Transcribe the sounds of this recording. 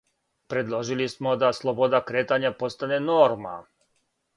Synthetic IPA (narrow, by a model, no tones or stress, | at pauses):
pɾe̞d̪lˠoʒilismod̪aslˠobod̪akɾeːt̪aɲapo̞st̪anenoɾma̰